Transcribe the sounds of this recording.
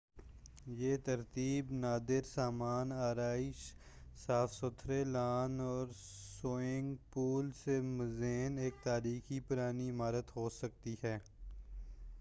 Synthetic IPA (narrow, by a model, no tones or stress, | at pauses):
jeːt̪ɐɾt̪iːbnaːd̪ɪɾsaːmaːnaːɾaːɪʃ | saːfsʊt̪ʰɾelaːnɔːɾ | soːɪ̃ŋɡpuːlsemɐzeːneːk̚t̪aːɾiːxipʊɾaːniɪmaːɾət̪ɦoːsɐk̚t̪iɦɛː